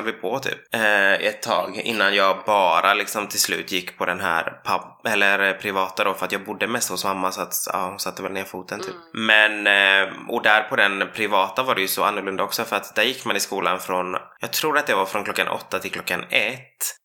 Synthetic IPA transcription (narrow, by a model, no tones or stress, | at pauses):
lvɪpʰɔt̪ʰy̰ːpːɛt̪ʰːɑ̰ːɡɪ̰nːanjɑːɡbɑːɾalɪksɔmt̪ʰɪlslʉ̟̰ːt̪jɪkːpʰɔd̪ɛnɦæ̰ːɾpʰaɛlːəɾpʰɾɪvɑːt̪ad̪ɔfœɾat̪jɑːɡ̚bʊd̪ːəmɛst̪hʊsmamːasɔat̪ɑ̰ːhʊnsat̪ːəvɛlneːɾfuːt̪ənt̪ʰy̰ːp̚mɛn | ɔd̪æɾpʰɔd̪ɛnpʰɾɪvɑːt̪avaɖɛjɵsɔa̰nːɵɾɭɵnd̪aɔksɔfœɾat̪d̪æɾjɪkːmanɪskuːla̰nfɾɔnjɑːɡ̚t̪ʰɾuːɾat̪̚d̪ɛvaɾfɾɔnkʰlɔkːanʔɔ̰t̪ːat̪ʰɪlklɔkːa̰nɛt̪ː